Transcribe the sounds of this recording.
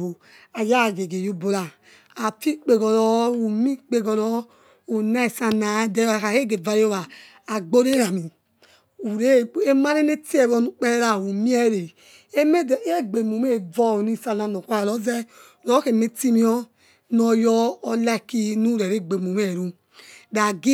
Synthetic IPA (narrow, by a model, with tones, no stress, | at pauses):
o˨ | a˨ja˦˨ɡe˨ɡe˨jo˦bo˨ɾa˨ | a˨fi˦k͡pe˨ɡɔ˨ɾɔ˦u˨mi˦k͡pe˨ɡɔ˨ɾɔ˦ | o˨na˦i˨sa˨na˨˦de˦a˨ka˨e˦ɡe˨va˨jo˦βaː˨ | ɡ͡bo˦ɾe˦ɾa˨mi˨ | u˨ɾe˦e˦ma˦ɾe˦ne˦ti˦e˨βɔ˦nu˦k͡pe˦ɾa˨u˨mi˦ɛ˦˨ɾe˨ | e˦me˦˨˦e˦ɡ͡be˨mu˨me˦˨vɔ˦˨ni˦˨sa˧na˨no˨kʷa˦ɾa˨lɔ˦zɛ˦˨ | ɾɔ˨˦ke˨me˦ti˦mi˦ɔ˦ | nɔ˨jɔː˦la˦˨ki˦nu˦ɾe˨ɾe˦ɡ͡be˨mu˨me˦˨ɾu˦ | da˨ɡi˦